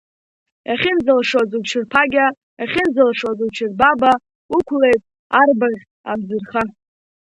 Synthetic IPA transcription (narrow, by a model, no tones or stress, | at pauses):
jaχʲɪnzalʂozut͡ʃʰɪrpʰaɡʲa | jaχʲɪnzalʂozut͡ʃʰɪrbaba | ukʷʰle̞jtʼ | arbaʁʲ | abzɨrχa